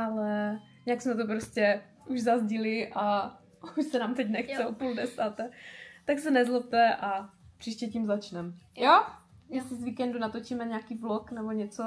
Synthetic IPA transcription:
ʔalɛjɪɲaksmɛt̪̬op̬ɾoscɛ | ʔuʒzazɟɪlɪʔa | uʃsɛnaːmt̪ɛc̬nɛxt͡sɛopuldɛsaːt̪ɛt̪aksɛnɛzlop̚t̪ɛʔapr̥iːʃcɛcimzat͡ʃnɛmjojɛst̪ɪzviːkɛndunat̪o̞t͡ʃiːmɛɲakiːbloknɛboɲɛt͡so

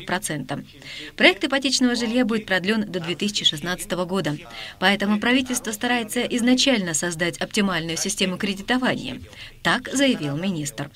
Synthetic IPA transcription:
pɾɐt̪sɛnt̪ə | pɾɐɛk̚t̪ɪpɐtʲet͡ɕnəvəʐɨlʲjabudʲɪt̪pɾɐd̪lʲo̞nd̪əd̪vʲet̪ɨsʲɪt͡ɕɪʂɨsnat̪sə̥t̪əvəɡo̞d̪əpɐɛt̪əmʊpɾɐvʲitʲɪlʲst̪vəst̪ɐɾajɪt̪səʔɪznɐt͡ɕælʲnəsɐzd̪atʲɐptʲɪmalʲnʊjʊsʲɪsʲtʲe̞mʊkɾʲɪdʲɪt̪ɐvanʲɪ̰jə̰t̪akzəjɪvʲilˠmʲɪnʲist̪r

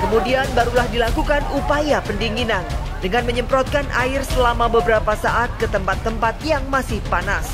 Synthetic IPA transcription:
kəmudianbaɾulahdilakukanupajapəndiŋinan | dəŋanməɲəmpɾɔt̪̚kanʔa̰ɪrsəlamabəbəɾapasaʔat̪̚kət̪əmpat̪ːəmpat̪̚jaŋmasɪhpanas

